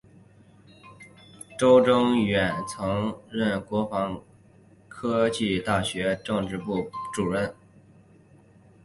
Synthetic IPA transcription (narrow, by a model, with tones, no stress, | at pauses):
ʈ͡ʂo˥ʊʈ͡ʂʊ˥ŋɥɛ˨˩nt͡sʰɤ˧˥ŋɻə˥˩nkwɔ˧˥fɑ˧˥ŋ | kʰɤ˥t͡ɕi˥˧t̪a˥˩ɕɥɛ˧˥ʈ͡ʂɤ˥˧ŋʈ͡ʂɻ̩˥˧pu˥˩ʈ͡ʂu˨˩ɻə˥˩n